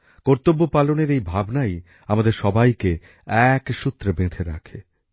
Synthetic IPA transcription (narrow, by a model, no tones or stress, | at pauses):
kɔɾt̪obːopaloneɾejbʱabnaj | amad̪eɾʃɔbajke | ɛkʃut̪ːɾebẽd̪ʱeɾa̰kʰe